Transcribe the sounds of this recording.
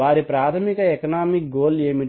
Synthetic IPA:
aːɾipɾaːt̪ʰɐmikɐekɐnaːmik̚ɡoːleːmi

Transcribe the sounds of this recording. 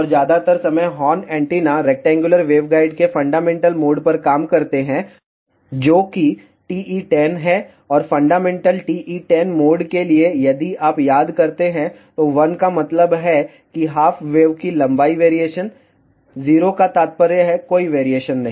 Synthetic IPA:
ɔːɾd͡ʒjaːd̪at̪əɾsɐməjɦɔːnɛ̃ːɳʈiːnaɾeːk̚ʈɛ̃ːŋɡjʊləɾʋeːʋɡaːɪɖkefɐ̃ɳɖaːmɛ̃ːɳʈəlmoːɖpɐɾkaːmkɐɾt̪eɦɛ̃ | d͡ʒoːki | ʈiːʔiʈɛnɦɛ | ɔːɾfɐ̃ɳɖaːmɛ̃ːɳʈəlʈiːʔiʈɛnmoːɖkeliejɐd̪iʔaːpjaːd̪kɐɾt̪eɦɛ̃ | t̪oʋɐnkamɐt̪ləbɦɛ | kiɦaːfʰʋeːʋkilɐ̃mbaːiʋeːɾieːʃən | ziːɾokat̪aːt̪̚pəɾjəɦɛkoːiʋeːɾieːʃənːɐɦĩː

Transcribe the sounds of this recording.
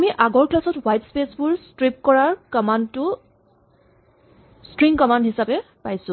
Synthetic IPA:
amiʔaɡɔɹklasɔtwajtspesbʊɹstɹip̚kɔɹaɹkɔmantʊ | stɹiŋkɔmandɦisapɛpajsʊ̃

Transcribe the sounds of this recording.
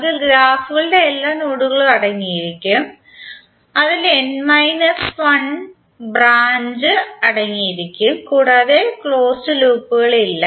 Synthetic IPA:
ɐðɨɡɾaːfuɣɐɭɨde̞ːlːaːnuːɽuɣɐɭɐɽɐŋːijiɾikʲːum | ɐðilenmɐjnɐsʋɐɳ | braːɲd͡ʑɨɐɽɐŋːijiɾikʲːumkuːɽaːðekɭo̞ːsɨluːpːuɣɐɭilːɐ

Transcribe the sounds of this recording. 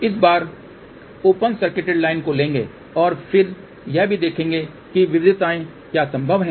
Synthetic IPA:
ɪs̬baːɾ | oːpənsɐɾkɪʈeɖlaːɪnkolẽːŋɡḛː | ɔːɾfʰɪɾ | jɛbʱid̪eːkʰẽːŋ̆ɡe | kiʋɪʋɪd̪ʱɪt̪aːẽ | jasɐ̃mbʱəʋɦɛ̃ː

